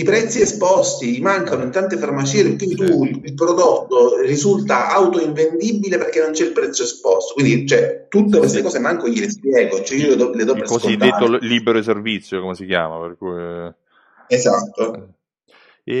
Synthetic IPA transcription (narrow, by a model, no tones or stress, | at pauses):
ipɾɛt̪sːiespɔst̪imaŋkanoint̪ant̪efarmat͡ʃiːikwind̪it̪uilpɾod̪ot̪ːorizult̪aʔawt̪oiɱvend̪ibileperk̟enːont͡ʃɛilpɾɛt̪sːjoespɔst̪okwind̪it͡ʃoɛt̪ut̪ːekwest̪ekɔːsemaŋkojelespjɛːɡot͡ʃɛiold̪ɔled̪ɔbɾeskozkoid̪et̪ːolːiːbeɾoservit̪sːjokomesikja̰ːma̰perkuj | ezat̪ːo